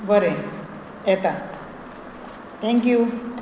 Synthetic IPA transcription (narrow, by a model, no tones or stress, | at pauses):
bʌɾe | et̪a | t̪ʰẽŋkju